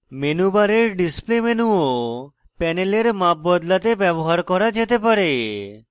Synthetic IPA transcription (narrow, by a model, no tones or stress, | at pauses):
menubaɾeɾɖisplemenuo | pɛneleɾmap̚bɔd̪lat̪ebɛboɦaɾkɔɾad͡ʑet̪epaɾe